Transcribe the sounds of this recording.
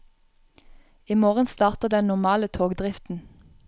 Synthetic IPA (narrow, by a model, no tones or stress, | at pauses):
iːmoːʁənst̪ɑːʁt̪əʁd̪ɛnnʊmɑːlət̪ʰoːɡd̪ʁɪft̪n̩